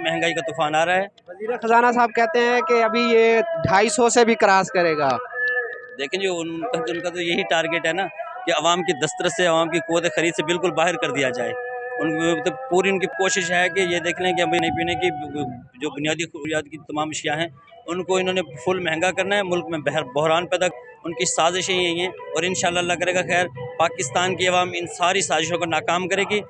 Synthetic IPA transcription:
mɛɦɛ̃ŋɡaːikat̪ʊfaːnaːɾaaɦɛːʋɐziːɾexɐzaːnasaːb̚kɛɦt̪eɦɛ̃keɐbʱijeːɖʱaːisɔsebʱikɾaːskɐɾeːɡaː | d̪eːkʰẽd͡ʒiʊnkʊnkat̪ojɐɦiʈaːɾɡeːʈɦɛːnaː | keɐʋaːmkid̪ɐst̪ɾəseɐʋaːmkikʊʋət̪̬exɐɾiːd̪sebɪlkʊlbaːɦɪɾkɐɾd̪ijad͡ʒaːeːʊnmɐt̪əbpuːɾiʊnkikoːʃɪʃɦɛk̬ejed̪eːkʰneɦɛ̃keɐminĩp̬iːneki | d͡ʒoːbʊnijaːd̪iʊɾjaːt̪kit̪ɐmaːmɐʃjaɦɛ̃ː | ʊnkoɪnõːnepʰʊlmɛɦɛ̃ŋɡakɐɾnaɦɛmʊlkmẽbɦbɔɦɾaːnpɛd̪ak̚ | ʊnkisaːzɪʃẽɦĩaĩɦɛ̃ɔːɾɪnʃaːlːaːlːak̬ɐɾekaxɛːɾpaːkɪst̪aːnkiɐʋaːmɪnsaːɾisaːzɪʃ̬õkonaːkaːmkɐɾeːɡi

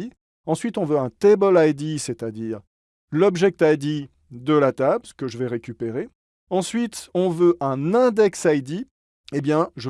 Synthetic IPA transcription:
i | ɑ̃sɥit̪ɔ̃vøɛ̃t̪ebɔlajd̪iset̪ad̪iːʁ | lɔbʒɛk̚t̪ajd̪i | d̪əlat̪absə̥kəʒəvɛʁekʲypeʁe | ɑ̃sɥit̪ɔ̃vøʔɛ̃nɛ̃d̪ɛksajd̪i | ebjɛ̃ʒə

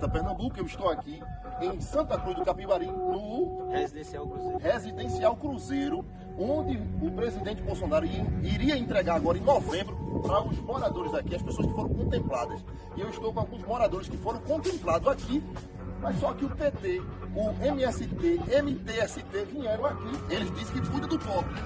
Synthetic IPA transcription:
t̪ɐpɛhnɐ̃ɡukewɪʃt̪owakiẽj̃sɐ̃nt̪ɐkɾuzd̪ʊkapivaɾĩnʊhezid̪ẽsiawkɾuzeɾhezid̪ẽsiawkɾuzejɾʊ | õd̪ɪʊpɾezid̪ẽnt͡ʃ̪ɪbowsõnaɾʊiɾiɐẽnt̪ɾɛɡaɾaɡɔɾɐẽj̃nɔvẽmbɾʊɐʊzmɔɾad̪oɾɪzakiɐspesoɐskɪ̥foɾɐ̃w̃kõnt̪ẽmplad̪ɐs | iewɪʃt̪owkõawɡũzmɔɾad̪oɾɪskɪfoɾɐ̃w̃kõnt̪ẽmplad̪ʊzaki | mɐjssɔkɪʊpet̪eʊẽmiɛsɪt̪eẽmit̪eɛsɪt̪evĩɲejɾɐ̃w̃akielɪzd̪isẽkɪkujd̪ɐd̪ʊpɔbʊ

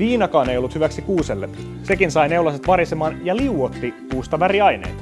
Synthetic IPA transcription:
ʋiːnɑkɑːnejolːut̪hyʋæksikuːselːe | se̞kinsɑjneulɑset̪ʋɑɾisemɑːnjɑliuot̪ːikuːst̪ɑʋæɾiɑjnḛːn

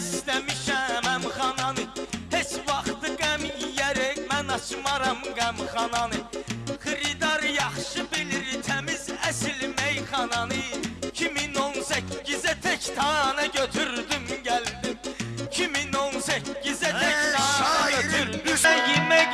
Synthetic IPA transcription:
islæmiʃæmæmχɑnɑnɯhet͡ʃvɑχt̪ʰɯɡæmijæɾɛmænɑt͡ʃʰmɑɾɑmɡæmχɑnɑnɯχiɾid̪ɑɾjɑχʃɯbilɾit̪ʰæmizæsilmejχɑnɑnɯcʰiminonsæcʰːizæt̪ʰɛct̪ʰɑnɛɟøt̪ʰyɾd̪ymɟæld̪imcʰiminonsæcːizæt̪ʰɛk̪ʰɑɑnɛøt̪ʰyɾjiɾmæ

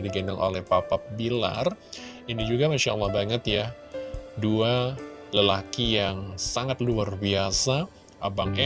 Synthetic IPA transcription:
diɡənaŋʔo̰lɛhpapap̚bila̰r | inid͡ʒuɡamaʃa̰lːɑhbaŋət̪ja | dualəlakijaŋsaŋat̪luarbiasa | ʔabaŋɛ

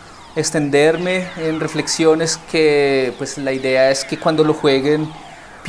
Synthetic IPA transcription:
ekst̪e̞nd̪eɾme̞ːnre̞fle̞ksjo̞ne̞skepwe̞slaiðe̞ae̞ske̞kwand̪o̞lo̞xwe̞ɣen | p

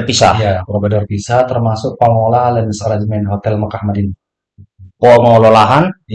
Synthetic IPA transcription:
pisa̰japɾofedɔrpisat̪ərmasʊk̚pamolahlɛnsaɾad͡ʒəmɛnɦot̪ɛlmakahmadin | pomaololaɦan

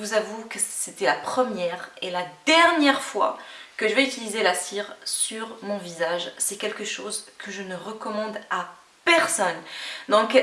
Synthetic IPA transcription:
əvuzavukəset̪ɛlapχəmjɛʁelad̪ɛʁnjɛʁfwa̰kəʒəvɛyt̪ilizelasiʁsyʁmɔ̃vizaʒsɛkʲɛlkəʃozkʰəʒənəʁəkɔmɑ̃d̪a | pɛʁsɔnd̪ɔ̃k

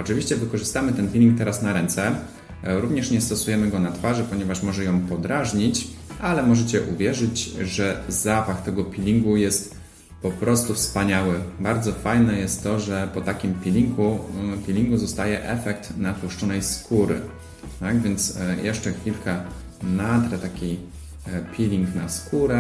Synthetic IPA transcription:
ɔt͡ʂɨvʲiɕt͡ɕɛvɘkɔʐɘst̪amɘt̪ɛnpʲilʲiŋk̚t̪ɛɾasnaɾɛnt̪sɛ | ɾuvɲɛʂɲɛst̪ɔsujɛmɘɡɔnat̪faʐɘpɔɲɛvaʂmɔʐɛjɔ̃w̃pɔd̪ɾaʐɲit͡ɕ | ʔalɛmɔʐɛt͡ɕɛʔṵvʲjɛʐɘd͡ʑʐɛzapaxt̪ɛɡɔpʲilʲiŋɡujɛst̪ | pɔpɾɔst̪ufspaɲawɘbaɾd̪zɔfajnɛjɛst̪ːɔʐɛpɔt̪akʲimpʲilʲiŋɡupʲilʲiŋɡuzɔst̪ajɛʔɛfɛk̚t̪nat̪uʂt͡ʂɔnɛjskuɾɘ̰ | t̪aɡvʲjɛnt̪sjɛʂt͡ʂɛxfʲilka | nat̪ɾɛt̪akʲi | pʲilʲiŋkna̰skuɾɛ

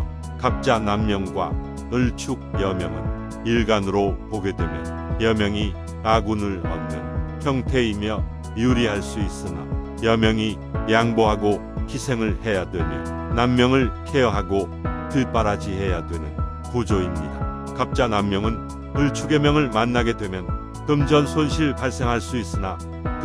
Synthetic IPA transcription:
kap̚t͡ɕ͈anamːjʌŋɡwa̰ | ɯɭt͡ɕʰuɡ̚jʌmjʌŋɯ̰n | iɭɡanɯɾopoɡe̞dwe̞mjʌ̰ | jʌmjʌŋi | naɡunɯɭʌnnenpʰjʌŋtʰe̞imjʌ | juɾiɦaɭs͈uis͈ɯna̰ | jʌmjʌŋi | jaŋboɦaɡo | kisʰe̞ŋɯɭhe̞jadwe̞mjʌ | namːjʌŋɯɭkʰeʌɦaɡo | tɯɭp͈aɾad͡ʑiɦe̞jadwe̞nɯn | kud͡ʑoimɲida̰ | kap̚t͡ɕ͈anamːjʌŋɯn | ɯɭt͡ɕʰuɡe̞mjʌŋɯɭmanːaɡe̞dwe̞mjʌn | tɯmd͡ʑʌnsʰonɕʰiɭpaɭs͈e̞ŋɦaɭs͈uis͈ɯna

